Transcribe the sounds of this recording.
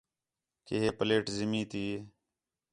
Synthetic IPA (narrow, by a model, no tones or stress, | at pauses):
keɦeːpəleːʈzɪmĩːt̪iː